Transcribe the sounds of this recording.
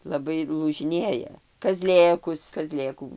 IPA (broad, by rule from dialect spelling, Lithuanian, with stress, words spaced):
lˠɐˈbɐɪ lˠuːʒʲɪˈnʲeːjɛ kɐˈzʲlʲeːkʊs kɐˈzʲlʲeːkuː